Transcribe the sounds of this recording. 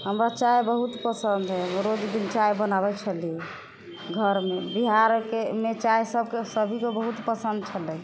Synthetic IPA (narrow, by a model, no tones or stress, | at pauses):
ɦəmɾat͡ʃajbəɦut̪pəsənd̪ɦɛɾod͡ʒd̪int͡ʃajbənabɛkt͡ʃʰəlijɛ | ɡʱəɾmebiɦaɾkemet͡ʃaesəb̚ʱkesəbʱikebəɦut̪pəsənd̪̚t͡ʃʰəlɛ